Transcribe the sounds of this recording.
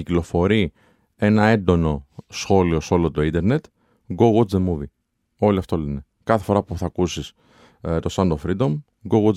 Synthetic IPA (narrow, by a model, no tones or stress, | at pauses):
iklo̞fo̞ɾi | e̞nɐe̞nd̪o̞no̞sxo̞lio̞so̞lot̪o̞ind̪e̞ɾne̞t̪ | ɡoɣud͡zðemuvi | o̞liɐft̪o̞lene̞ | kɐθe̞̥fo̞ɾɐpuθɐkusis | t̪o̞sɐnd̪ofɾid̪o̞m | ɡoɣu